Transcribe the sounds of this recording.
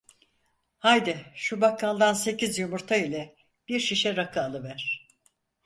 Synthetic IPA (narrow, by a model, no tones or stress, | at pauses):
hajd̪ɛʃubakʰːalˠd̪anse̞cizjumuɾt̪ʰailʲɛ | b̥iɾʃiʃɛɾakʰaːlˠɯvæɾ̥